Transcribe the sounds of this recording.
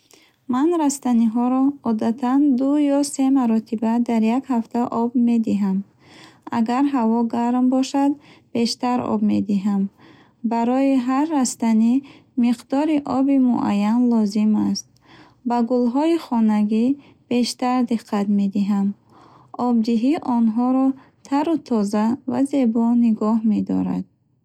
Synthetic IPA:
manɾast̪aniɦɔɾɔːd̪at̪ʰand̪ujɔse̞maɾɔt̪ʰibad̪aɾjakhaft̪ʰaʔɔbme̞d̪iɦam | a̰ɡaɾɦavɔɡaɾmbɔʃad̪b̥e̞ʃt̪aɾɔ̰bmed̪iɦam | baɾɔiɦarːast̪ani | miqd̪ɔɾiʔɔbimṵʔa̰jːanlɔzimast̪̚ | baɡulɦɔiχɔnaɡi | b̥e̞ʃt̪aɾd̪iqʰːat̪me̞d̪iɦam | ʔɔb̚d̪iɦiʔɔnɦɔɾɔ | t̪ʰaɾut̪ʰɔzava̰ze̞bɔniɡɔhme̞d̪ɔ̰ɾa̰d̪̥̚

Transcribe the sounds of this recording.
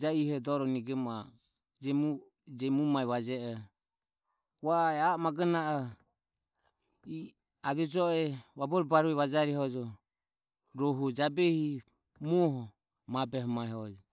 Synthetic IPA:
d͡ʒaihɔd̪ɔɾɔniɡɛma | d͡ʒɛu | d͡ʒɛmumaɛβad͡ʒɛɔ | βaɛaɔmaɡɛnaʔɔ | i | aβɛd͡ʒɔɛβabɔɾɔbaɾuɛβad͡ʒaɾɛhɔd͡ʒɔ | ɾɔɦud͡ʒabɛhi | mɔɦɔ | mabɛɦɔmaɛɦɔd͡ʒɔ

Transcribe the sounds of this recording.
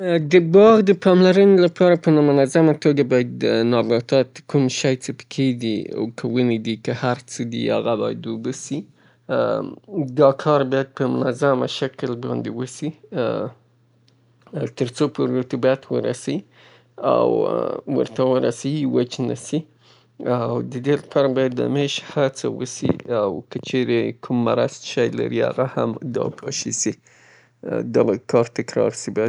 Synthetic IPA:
d̪əbɑɣd̪əpɑmlaɾənolapʰɑɾapənamʊnazamat̪oɡabɑjad̪nɑbɑt̪ɑt̪kʰumʃajt͡səpə̥kʰeɡ̪ia̰wkʰawəned̪ikəhaɾt͡səd̪ḭa̰ɣabɑja̰d̪ubəsi | d̪ɑkʰɑɾbɑjad̪̚pəmʊnazama̰ʃaklbɑ̰nd̪ewəsi | t̪əɾt͡sopoɾət̪abajat̪wəɾasawi | a̰wwə̰ɾt̪awəɾasawiwət͡ʃnasi | awd̪əd̪elapʰɑɾabɑjad̪ːa̰meʃhat͡sa̰wə̰sḭawkət͡ʃeɾekʰumːaɾasʃajla̰ɾiha̰ɣahamd̪ɑ̰pʰɑ̰ʃisi | d̪ɑkʰɑɾt̪ɪkɾɑ̰ɾsibɑja

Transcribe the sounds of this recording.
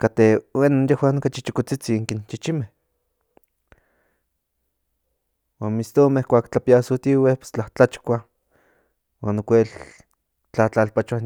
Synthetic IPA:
kat̪ewenonjehwaːnokat͡ʃit͡ʃikot͡sit͡siŋkint͡ʃit͡ʃimeh | waːnmist̪omeikʷaːkt͡ɬapiasut̪iwepe̥st͡ɬaht͡ɬat͡ʃkʷa | waːnokʷel | t͡ɬat͡ɬalpat͡ʃa

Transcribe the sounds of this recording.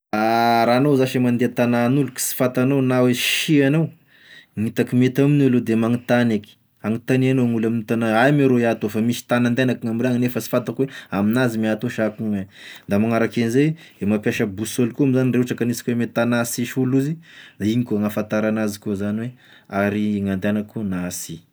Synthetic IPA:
aɾaːnawzaʃemand̪eat̪ananuluki̥si̥fat̪anawnaweʃianaw | ŋit̪akimet̪aminulod̪emaŋit̪aneki̥ | aŋit̪anianoŋulamint̪anaajmiɾoiat̪ofamisi̥t̪anand̪enakaŋamɾaŋnefəsi̥fat̪akweaminazimiat̪oʃakuŋənd̪amaŋaɾakenizejemapjaʃəbusolkuamizanireuʈ͡ʂakanisḁkʲuwemet̪anasiʃuluzid̪aiɲikuaŋafant̪aɾanazikuzaniwe | aɾiŋand̪anakunasi

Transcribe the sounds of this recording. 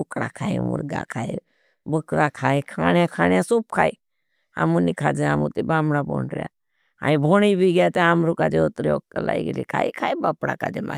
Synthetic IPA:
ʊkɽakʰaːimṵɾɡa̰kʰaːi | bəkɾakʰaːikʰaːɳjakʰaːnjãsuːp̚kʰaːi | amunikʰaːd͡ʒeaːmṵt̪ibaːmɽabo̰ːɳɾja̰ː | aĩbʱoːɽibʱiɡjat̪eamɾukaːd͡ʒeot̪ɾiok̚t̪ala̰ːiɡlḭkʰa̰ːikʰaːibapɽa̰ːkaːd͡ʒema

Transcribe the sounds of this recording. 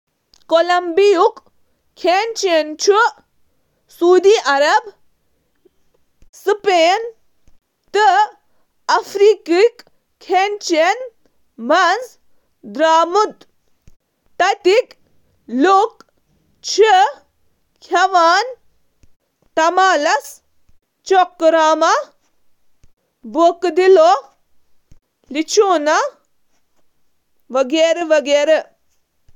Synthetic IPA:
kolɐmbijuk | kʰːent͡ʃent͡ʃʰu | suːd̪iʔɐɾɐb | sɨpen | t̪ɨ | ɐfʰɾikik | kʰːent͡ʃen | mɐnz | d̪ɾaːmut̪ | t̪ɐt̪ik | lok | t͡ʃʰe | kʰjɐʋaːn | t̪ɐmaːlɐs | t͡ʃokːɾaːmɐ | bokd̪ilo | lit͡ʃʰuːnɐ | ʋɐɡeːɾeʋɐɡeːɾe

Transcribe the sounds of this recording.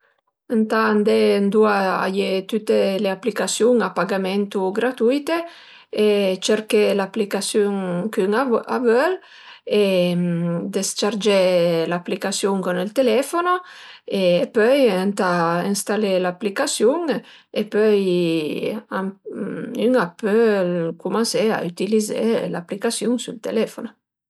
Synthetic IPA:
ant̪and̪end̪uaa̰jet̪yt̪ːeleaplikasjuŋapaɡamɛnt̪uɡɾat̪ujt̪e | et͡ʃeɾkelaplikasjuŋkyŋa̰vœl | e | d̪est͡ʃaɾd͡ʒelaplikasjuŋkonɛlt̪elɛfonoeːpœjɛnt̪ainst̪alelaplikasjuŋ | epœj | am | yŋapølkumãnsea̰yt̪ilizḛlapːlikasjuŋsult̪ḛlɛfono

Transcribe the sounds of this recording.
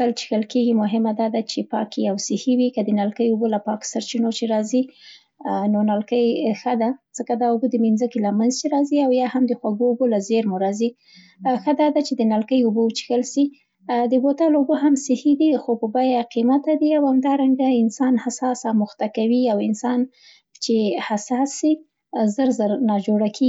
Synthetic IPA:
kalt͡ʃi̥xəlkeɡimʊɦɪmad̪ɑd̪at͡ʃepɑkijawsɪhiwikad̪ənalkəjubolapɑksaɾt͡ʃinot͡ʃeɾɑzi | nonalkəjxəd̪az̥əkad̪ɑubod̪əminzəkilamanzt͡ʃeɾɑziawjɑhamd̪əxwaɡoːbolazeɾmʊɾɑzi | xad̪ɑd̪at͡ʃed̪ənalkəjʊbowt͡ʃi̥xəlʃi | d̪əbot̪aloboɦamsɪhid̪ixopəbajaqimat̪ad̪iawhamd̪ɑɾaŋɡaɪnsɑnhasɑsɑmʊxt̪akawiawɪnsɑn | t͡ʃehasɑsi | zəɾzəɾnɑd͡ʒoɽakʰe

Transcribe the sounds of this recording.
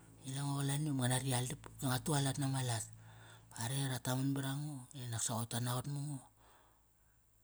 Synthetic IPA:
ilaŋolaniomŋanaɾialipeŋatualatnamalataɾeɾatamunbiɾaŋoenaksaotanaotmuŋo

